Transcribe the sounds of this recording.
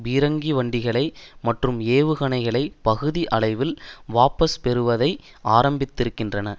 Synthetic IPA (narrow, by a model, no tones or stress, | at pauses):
ʋiːɾɐŋɡiʋɐɳɖɪɣɐɭɐɪmɐʈrɯmeːʋɯɣɐɳɐɪɣɐɭɐɪpɐɣɯðiʔɐɭɐɪʋɪlʋaːpɐspɛɾɯʋɐðɐɪ | ʔaːɾɐmbɪt̪ːɪɾɯkːɪndrɐnɐ